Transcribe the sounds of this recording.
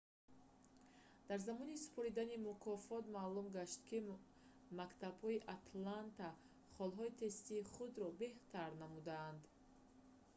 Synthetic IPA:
d̪̥aɾzamɔnisu̥pʰɔɾid̪animukʰɔfɔt̪malumɡaʃt̪kʰi | makt̪abhɔiʔat̪ʰlant̪a | χɔlɦɔit̪ʰe̞st̪iːχud̪ɾɔbe̞ht̪ʰaɾnamud̪aːnd̪

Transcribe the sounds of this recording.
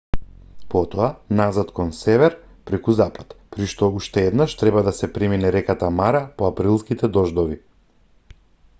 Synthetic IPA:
pɔt̪ɔanazat̪kɔnsɛvɛɾ | pɾɛkuzapḁt̪pɾiʃt̪ɔuʃt̪ɛɛd̪naʃt̪ɾɛbad̪asɛpɾiminɛɾɛkat̪amaɾapɔapɾilˠskit̪ɛd̪ɔʒd̪ɔvi

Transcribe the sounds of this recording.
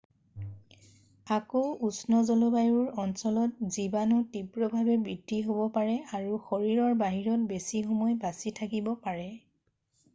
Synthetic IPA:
akoʔusnɔzɔlobajuɹɔnsɔlɔt̚zibanɔtipɹɔbʱabɛbɹidʱiɦobɔpaɹɛaɹuxoɹiɹɔɹbaɦiɹɔt̚besixɔmɔjbasitʰakibɔpaɹɛ

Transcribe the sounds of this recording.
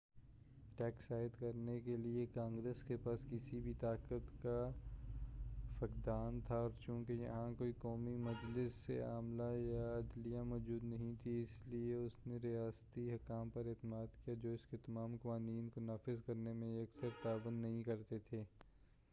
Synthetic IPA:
ʈɛːksaːɪd̪kɐɾnekeliekãːŋɡɾeːskepaːskɪsibʱit̪aːkət̪ka | fɐkd̪aːnt̪ʰaɔːɾt͡ʃũːkejɐ̰ɦãkoːikɔːmimɐd͡ʒlɪsːḛa̰ːmlajaɐd̪lijamɔːd͡ʒuːd̪nɐɦĩt̪ʰiɪslieʊsneɾijaːst̪iɦɐkaːmpɐɾɛt̪əmaːd̪kijad͡ʒoːɪsket̪ɐmaːmkɐʋaːniːnkonaːfɪzkɐɾnemẽɐksəɾt̪aːbə̃nd̪nɐɦĩkɐɾt̪et̪ʰeː

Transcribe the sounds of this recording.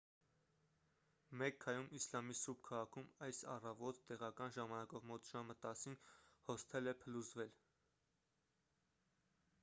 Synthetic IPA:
mɛkʰːɑjumislɑmisub̚kʰɑʁɑkʰumɑjsɑ̰rɑvɔt̪ːɛʁɑkɑnʒɑmɑnɑkɔvmɔt̪ʒ̥ɑmət̪ɑsinhɔst̪ʰɛlɛpʰəluzvɛl

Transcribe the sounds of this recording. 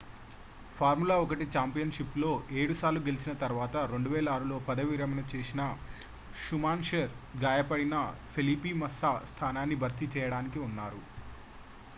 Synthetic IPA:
pʰaːɾmulaːɔkɐʈit͡ʃaːmpijɐnʂiplo̞ːʔe̞ːɽusaːɾlːuɡe̞lit͡ʃinɐt̪ɐɾʋaːt̪ɐɾe̞ɳɖuʋɛːlɐaːɾulo̞ːpɐd̪ɐʋiːɾɐmɐnɐt͡ʃeːsinɐ | ʂumaːnʃeːɾɡaːjɐpɐɽinɐpʰeliːpimɐsːast̪ʰaːnaːnːibʱɐɾt̪ːit͡ʃɛːjɐɽaːnikiunːaːɾu

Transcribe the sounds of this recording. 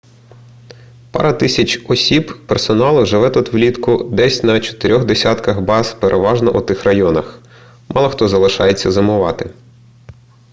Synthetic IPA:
pɑ̰ɾɐt̪ɪsʲɐt͡ʃɔsʲibpersɔnɑlˠʊʒɪʋɛt̪ut̪ʋlʲit̪kʊd̪ɛsʲnɐt͡ʃɔ̥t̪ɪɾʲɔɣd̪esʲat̪kɐxbɑspeɾʔeʋɑʒnɔʔut̪ɪxrɐjɔnɐx | mʔɑlˠɐxt̪ɔzɐlˠɪʃɑjet͡sʲːɐzɐmʊʋɑt̪ɪ

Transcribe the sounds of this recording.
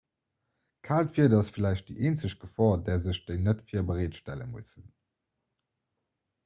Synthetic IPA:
kʰaːltfiːɐdɑsfilæɪɕt̚d̥ḭʔeːnt͡səɕ̚ɡ̥əfɔːdɛːɐzəɕd̥eɪnətfiːɐbəʁeːtʃtælə̰musən

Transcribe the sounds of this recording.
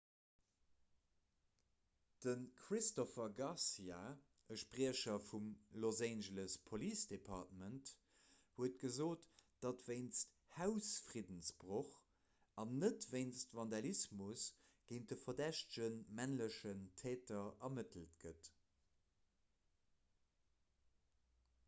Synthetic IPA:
d̥ənkʰʁistofɐɡɑsia | əʃpʁiəʃɐfumlozæːnʒələspʰoliːsd̥epʰɑːtmənt | huətɡ̥əzoːtd̥ɑtveɪnst | haʊsfʀidənsbʁoχ | ɑnːətveɪnstvɑndɑlismusɡ̥eɪn̚dəfɐdæʃtəʒ̥ənmænləʃəntʰɛːtɐʔɐmətəl̩tɡ̥ət

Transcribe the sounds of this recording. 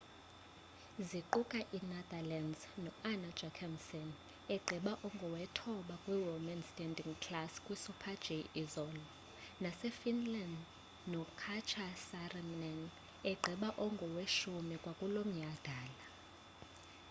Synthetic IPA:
ziǃukʼaʔinɛd̪alanznɔanḁd͡ʒʱakʰamsɔn | ɛɡ͡ǃʱiɓaʔɔŋɡʱɔwɛtʰɔɓakʼwiwɔmɛnstʼɛndiŋkʰlaskʼwisupʰḁd͡ʒeʔizɔːlɔ | nasɛfinland | nɔkʰat͡ʃʰasarɛmnɛn | ɛɡ͡ǃʱiɓaʔɔŋɡʱɔweʃumikʼwakʼulom̩ɲad̥ʱaːla

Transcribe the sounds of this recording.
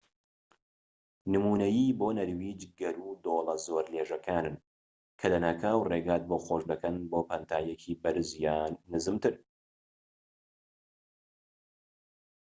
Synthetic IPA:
nɨmuːnɐjiːboːnɐɾwiːd͡ʒɡɐɾuːd̪oːlˠɐzoːɾleːʒɐkʰaːnɨn | kʰɐlɐnaːkʰaːwreɡaːt̪̚boːxoʃd̪ɐkɐnboːpʰɐnt̪ʰaːjɛkʰiːbɐɾɨzjaːnːɨzɨmt̪ʰɨɾ

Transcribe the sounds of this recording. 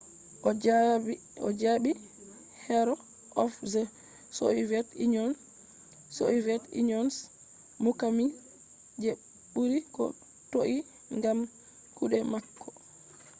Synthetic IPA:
ɔ̰d͡ʒaɓi | hɛɾɔ | ʔɔfzɛ | so̰ivɛtḭɲɔn | so̰ivɛtḭɲɔns | mukami | d͡ʒe | ɓuɾikɔ̰ | toʔi | ŋɡam | kuɗɛmakːɔ̥

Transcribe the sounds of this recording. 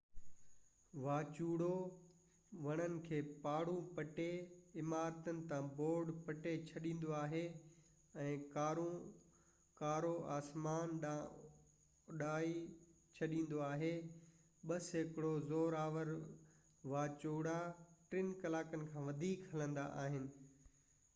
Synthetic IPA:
ʋaːt͡ɕuːɽo | ʋɐɽ̃ənɪ̆kʰeːpaːɽũpɐʈeɪmaːɾt̪ənɪ̆t̪ãboːɾɖpɐʈet͡ɕʰɐɗĩːn̆d̪oaːɦe | ɛ̃ːkaːɾũ | kaːɾoaːsmaːnɗa | ɗaːi | t͡ɕʰɐɗĩːn̆d̪oaːɦe | ɓɐsɦɪkɽozoːɾaːʋəɾ | ʋaːt͡ɕuːɽaʈɾɪnkɐlaːkənɪ̆kʰãːʋɐd̪ʱiːkɦɐlə̃nd̪a̰ʔa̰ːɦɪnɪ̆

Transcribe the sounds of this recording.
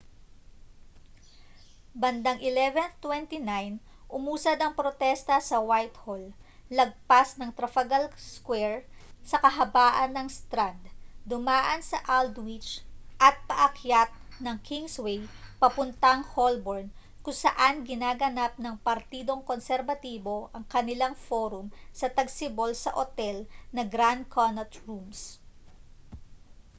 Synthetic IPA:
bɐnd̪aŋʔɪlɛvɛnt̪wɛnt̪inajn | ʔʊmuːsɐd̪ɐŋpɾot̪ɛst̪ɐsɐwajt̪holːɐɡ̚pasnɐŋt̪ɾɐfɐɡalskwɛɹsɐkɐɦɐbaːʔɐnːɐŋst̪ɾad̪̚ːʊmaːʔɐnsɐʔald̪wɪt͡ʃʔɐt̪̚pɐʔɐkjat̪̚ | nɐŋkʰiŋswɛjpɐpʊnt̪ɐŋholboɹn | kʊŋsɐʔanɡɪnaːɡɐnap̚nɐŋpɐɾt̪iːd̪o̞ŋkonsɛɾvɐt̪iːbo̞ʔɐŋkɐnɪlaŋfoːɾʊmsɐt̪ɐɡsɪbolsɐ̰ʔot̪ɛlnɐɡɾand̪̚kʰonɐt̪ɹums

